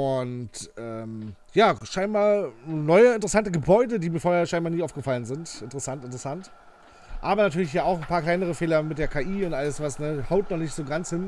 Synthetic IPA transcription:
ʔʊntʔɛːm | jaːʃaɪnbaːnɔʏəɪntəʁəsantəɡəbɔʏdədiːmiːɐfoːɐheːɐʃaɪnbaːɐniːʔaʊfɡ̥əfalənzɪntɪntəʁəsantɪntəʁəsant | ʔaːbɐnatʰyːɐlɪçhiːɐaʊxn̩pʰaːɐklaɪnəʁ̞əfeːlɐmɪtd̥eːɐkʰaːʔiːʊntʔaləsv̥asnəhaʊtnɔχnɪçtz̥oːɡant͡shɪn

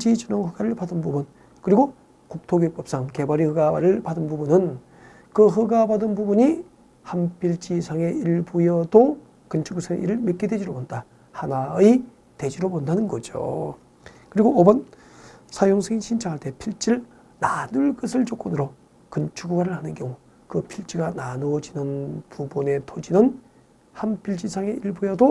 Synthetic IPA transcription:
d͡ʑit͡ɕɯnoŋɸɯɡaɾɯɭpadɯnbubun | kɯɾiɡo | kuk̚tʰoɡjep͈ʌp̚s͈aŋke̞baɾihɯɡaaɾɯɭpadɯnbubunɯn | kɯɦɯɡabadɯnbubuɲi | hampiɭt͡ɕisʰaŋe̞iɭbujʌdo | kɯnt͡ɕʰuɡusʰaŋ̰ʔḭɾɯɭmik͈edwed͡ʑiɾobonda | hanai | te̞d͡ʑiɾobondanɯnɡʌd͡ʑo̰ | kɯɾiɡoːbʌn | sʰajoŋsʰeinɕʰint͡ɕʰaŋɦaɭt͈ʰe̞pʰiɭt͡ɕ͈iɾɯɭ | nanuɭk͈ʌsʰɯɭt͡ɕok͈ʌnɯɾo | kɯnt͡ɕʰuɡuɡaɾɯɭhanɯnkjʌŋu | kɯpʰiɭt͡ɕ͈iɡananuʌd͡ʑinɯnpubune̞tʰod͡ʑinɯn | hanpʰiɭt͡ɕ͈isʰaŋe̞ʔiɭbujʌdo

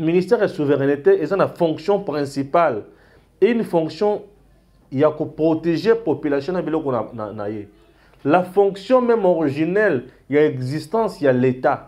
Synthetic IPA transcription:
minist̪ɛʁesuveʁɛniteezãnafɔ̃ksjɔ̃pʁɛ̃sipal | eynfɔ̃ksjɔ̃ | jakopʁoteʒepopylasjɔ̃nabilɔkɔana̰na̰je | lafɔ̃ksjɔ̃mɛmɔʁiʒinɛl | jaɛɡzist̪ɑ̃sjaleta

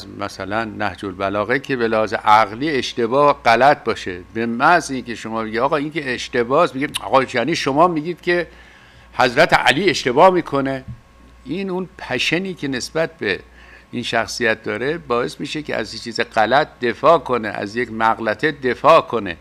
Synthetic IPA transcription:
zmæsælænːæhd͡ʒolbælɒːɣekʰe̞belehɒːzḛʔæɣliːe̞ʃt̪e̞bɒːɢælæt̪̚ʰbɒːʃebemæziːnkʲʰe̞ʃomɒːbeɡiɒːɣɒːinkʲʰeeʃt̪e̞bɒːst̪miɡiɒ̰ːɣɒːjæniːʃomɒːmiːɡiːd̪̥kʲʰe̞ | hæzɾæt̪ʰḛʔæ̰liːe̞ʃt̪e̞bɒːmiːkʰo̞ne | iːnunpʰæʃeniːkʲʰe̞ne̞sbæt̪̚be | inʃæxsijæt̪̚d̪ɒːɾe̞bɒːe̞smiːʃekeæ̰zt͡ʃʰiːzeɢælæt̪̚d̪e̞fɒːkʰo̞nḛʔæ̰zjekmæɣlæt̪ʰed̪e̞fɒːʔkʰo̞nḛ

